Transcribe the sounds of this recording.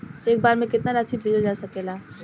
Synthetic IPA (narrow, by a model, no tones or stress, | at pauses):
eːk̚baːɾmẽkɪt̪naɾaːsibʱiːd͡ʒd͡ʒaːsɐkelaː